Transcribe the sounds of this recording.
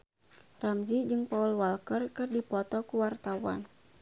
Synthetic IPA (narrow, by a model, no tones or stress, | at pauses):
ramzid͡ʒɨŋpaulwalkərkɨrdipɔt̪ɔkuwart̪awa̰n